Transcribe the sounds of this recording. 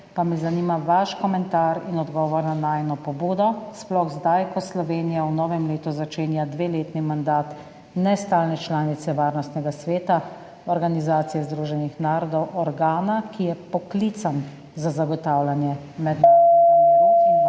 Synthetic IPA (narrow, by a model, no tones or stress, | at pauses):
pamɛzanimaʋaʃkɔmɛnt̪aːɾinɔd̪ɡɔːʋɔɾnanajnɔpɔbuːd̪ɔsplɔɣzd̪ajkɔslɔʋeːnijawnɔːʋɛmleːt̪uzat͡ʃeːnjad̪ʋeːleːt̪nimand̪aːt̪ | nɛst̪aːlnɛt͡ʃlaːnit̪sɛʋaːɾnɔst̪nɛɡasʋeːt̪a | ɔɾɡanizaːt̪sijɛzd̪ɾuʒɛnixnaːɾɔd̪ɔwʔɔɾɡaːnakijɛpɔklit̪sam | zazaɡɔt̪aːwlanjɛ | mɛd̪na